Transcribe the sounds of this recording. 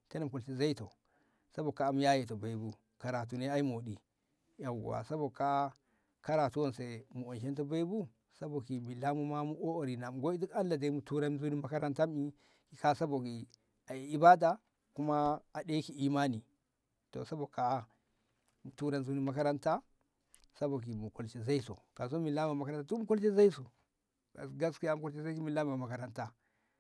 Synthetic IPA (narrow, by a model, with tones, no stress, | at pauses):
te˦na˨mku˨lti˨za˦i˦to˨ | sa˦bo˨ka˨˦mu˦ja˦je˨to˨ba˨i˦bu˦ | ka˨ɾa˨t̬u˨ne˦a˦i˦m˨o˨ɗi˨ | ja˨wa̰˨sa˦bo˨ka˦ | ka˦ɾa˨tu˦wo˦˨nse˨mu˨o˨nʃ̬e˦nto˦ba˦i˦bu˦ | sa˦bo˨ki˨bi˨la˦mu˦ma˦mu˦ʔo˦o˨ɾi˨na˨m˨ɡo˦i˦di˦ka˦nla˨da˨˦i˦mu˨tu˦ɾa˦nzu˦ni˦ma˦ka˦ɾa˦nta˦mi˦ | ki˨ka˦sa˦bo˨ki˨ | a˨i˨ba˦da˨ | ku˦maː˦˨ɗe˦ki˨i˨ma˦ni˨ | to̰˨sa˦bo˨ka˨˦ | mu˨tu˦ɾa˦nzu˦ni˦ma˦ka˦ɾa˦nta˦ | sa˦bo˨k̬i˨mu˨ko˨lt͡ʃe˨za˦i˦so̰˨ka˨s̬o˦mi˨la˦m˦˨a˨ma˦ka˦ɾa˦ta˦tu˦mu˦ko˦lt͡ʃe˦za˦i˦so˨ | ɡa̰˨sɡa˦ski˦ja˦mu˦ko˦lt͡ʃe˦za˦ki˦mi˨la˦m˨a˨ma˨ka˨ɾa˦nta˦